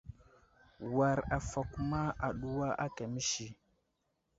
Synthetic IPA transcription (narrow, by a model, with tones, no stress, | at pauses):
wa˨ɾa˨fa˨ku˦ma˦a˨ɗu˦wa˦ʔa˦ka˨mi˦ʃi˨